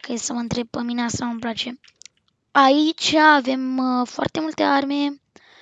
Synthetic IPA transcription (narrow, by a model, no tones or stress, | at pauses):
kəjesəməɨnt̪ɾe̞bəmineasaməmplat͡ʃe̞ | ait͡ʃaːve̞mfoa̰rt̪e̞mult̪earme